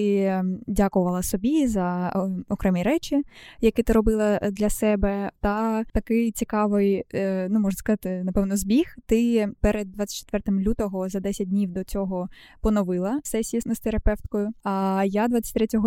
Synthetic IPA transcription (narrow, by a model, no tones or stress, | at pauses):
ɪdʲakʊʋɐlˠɐsɔbʲizɐɔkɾɛmʲiɾɛt͡ʃʲɪjɐkɪt̪ɪɾɔbɪlˠɐd̪lʲɐsɛbɛt̪ɐt̪ɐkɪjt͡sʲikɑʋɪjnumɔʒnɐskɐzɑt̪ɪnɐpɛʋnɔzbʲixt̪ɪpɛɾed̪̚dːʋat̪t͡sʲːɐ̥tt͡ʃːɛ̥t̪ʋɛrt̪ɪmlʲut̪ɔɦɔzɐd̪ɛsʲɐt̚ʲdʲnʲiwd̪ɔt͡sʲɔɦɔ | pɔnɔʋɪlˠɐsɛsʲijɐsnɔst̪eɾɐpɛft̪kɔjʊɐjad̪ʋat͡sʲɐtʲt̪ɾɛtʲɔɦɔ